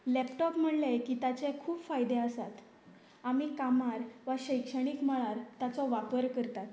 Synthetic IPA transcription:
lɛpʈɔpm̤əɽlajkiːt̪at͡ɕekʰuːpfajd̪eəsat̪ | amikamaɾʋaɕəjkʂəɽ̃ikm̤əɭaɾt̪at͡sɔʋapəɾkəɾt̪at̪

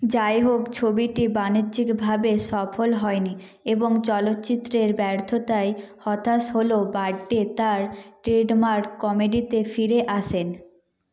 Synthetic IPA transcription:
d͡ʑaeɦokt͡ɕʰobiʈibaniɾd͡ʑikbʱabeʃɔfolɦɔeni | eboŋt͡ɕɔlot̪ːt͡ɕit̪ːɾeɾbɛɾt̪ʰot̪aehɔt̪ʰaʃɦolobaɖːet̪aɾʈɾeɖmaɾkkɔmeɖit̪efiɾeʔaʃʰen

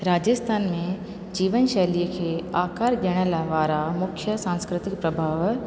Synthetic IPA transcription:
ɾaːd͡ʒəst̪ʰaːnmẽ | d͡ʑiːʋənʃɛːlijəkʰeːaːkaːɾɗəɽ̃əlʋaːɾamʊkʰjəsãːnskɾɪt̪ɪkpɾɐbʱaːʋ

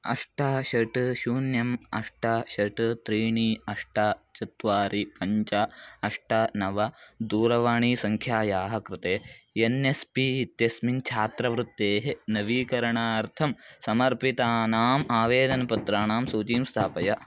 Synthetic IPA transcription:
ɐ̰ʂʈaːʃɐʈʃuːnjɐmɐ̰ʂʈaːʃɐʈt̪ɾiːɳiːɐʂʈaːt͡ʃɐt̪ʋaːɾipɐɲt͡ʃaɐʂʈɐnɐʋɐd̪uːɾɐʋaːɳiːsɐŋkʰjaːjaːɦɐkɾɪt̪eːenespit̪jɐsmint͡ʃʰaːt̪ɾɐʋɾut̪ːeːɦenɐʋiːkɐɾɐɳaːɐɾt̪ʰɐmsɐmɐɾpit̪aːnaːmaːʋeːd̪ɐnɐpɐt̪ɾaːnaːmsuːt͡ʃiːmst̪ʰaːpɐjɐ

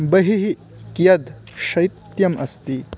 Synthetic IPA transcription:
bɐɦiɦi | kjɐd̪ | ʃɐjt̪jɐmɐst̪i

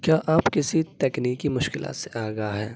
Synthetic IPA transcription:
kjaːʔaːpkɪsit̪ɛːkniːkːimʊʃkɪla̰ːt̪seʔaːɡɐaɦɛː

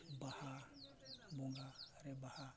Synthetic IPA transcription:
baha | boŋɡaɾebaha

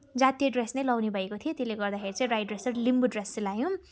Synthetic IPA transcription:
d͡zat̪ijeɖresnʌjlʌwnibʱʌekot̪ʰijot̪eleɡʌrd̪axʰeɾit͡sʌ̃ĩrajʈɖresʌrlimbuɖreselajõ

